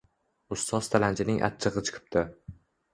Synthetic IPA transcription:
ʊst̪ʰɒst̪ʰalant͡ʃʰɪnɪŋʔa̰t̪̚t͡ʃʰɨʁɨt͡ʃʰɨ̥qʰɨ̥p̚t̪ʰɪ

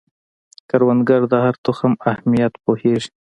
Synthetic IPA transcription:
kaɾwand̪ɡaɾd̪aɦaɾt̪ʊxamahmijat̪poheʐ

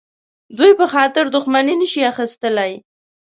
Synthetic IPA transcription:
d̪ujpəxɑt̪ɪɾd̪ʊxmaninəʃiaxist̪əlaj

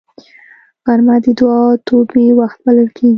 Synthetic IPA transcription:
ɣaɾmad̪əd̪wɑt̪ʰobewaxt̪̚baləlkʰeɡi

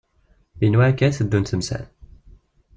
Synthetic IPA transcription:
inwækːæθəd̪ːunt̪əmsæ̰l

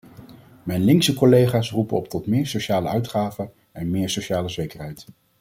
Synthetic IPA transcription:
mɛjnlɪŋksəkɔlejχaːsrupənɔp̚tɔtmɪːɹsowʃaːləœɥtχaːvə | ɛnmɪːɹsowʃaːləzejkəɹɦɛjt

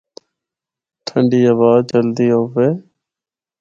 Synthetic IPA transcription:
ʈʰəɳɖiːəʋaːt͡ʃəld̪iːoːʋeː

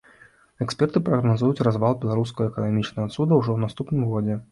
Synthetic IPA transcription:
ɛkspʲɛrt̪ɨpɾɐɣnazujut͡sʲrazvalˠbʲɛlˠaɾuskɐɣɐɛkɐnamʲit͡ʂnɐɣɐt̪sud̪ɐwʐɔwnast̪upnɨmɣɔd͡zʲɛ

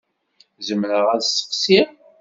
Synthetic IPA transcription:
zəmɾəʁænsə̥qsim

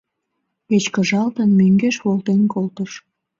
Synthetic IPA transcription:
et͡ɕkəʒɑlt̪ənmøŋɡeʃβolt̪enkolt̪əʃ

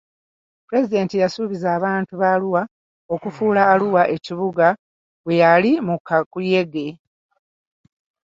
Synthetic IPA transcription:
puɾe̞zide̞ːntijasuβizaːβaːntuβaluwa | o̞kufuːlaːluwaʔe̞ciβuɡa | βwe̞jalimukʰːakuje̞ɡe̞

